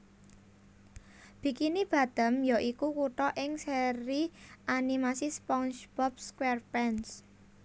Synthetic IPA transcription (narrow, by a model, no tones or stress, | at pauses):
b̥i̤kinib̥a̤d̪̥ə̤mjɔʔikukuʈɔʔɪŋseɾiʔanimasispɔŋsb̥ɔp̚skwɛrpɛns